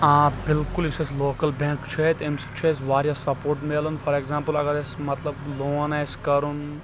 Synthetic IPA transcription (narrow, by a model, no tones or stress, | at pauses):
aːbɪlkʊlɪsesloːkɐlbẽːŋkt͡ʃʰet̪emst͡ʃʰesʋaːɾjasɐpoːɾʈmeːlɐnfʰɐɾekzãːmpəlɐɡɐɾesmɐt̪lɐbloːnajskɐɾun